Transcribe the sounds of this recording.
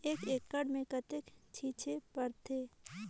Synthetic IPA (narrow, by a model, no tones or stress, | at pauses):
eːkeːkːəɽmẽkət̪ɪkt͡ʃʰiːt͡ʃʰepəɾt̪ʰeː